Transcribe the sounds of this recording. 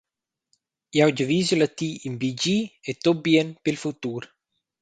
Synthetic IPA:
jawd͡ʒəvizəlat̪iimbid͡ʒiet̪objenpilfut̪uːɾ

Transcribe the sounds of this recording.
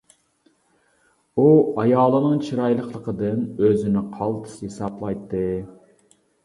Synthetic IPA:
uɑjɑːlˠɨnɨŋt͡ʃʰiɾɑjlˠəχlˠəqəd̪ɨnøzɪnɪqʰɑlˠt̪ʰɨ̥shesɑplˠɑjt̪ʰːɨ

